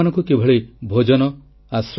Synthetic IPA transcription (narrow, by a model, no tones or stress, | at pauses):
anɔŋkukebʱɔɭebʱod͡ʒɔnɔ | asɾ